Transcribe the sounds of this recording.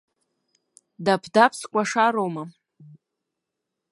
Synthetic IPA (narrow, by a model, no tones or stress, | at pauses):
dapʰdapʰskʷʼaʂaɾowma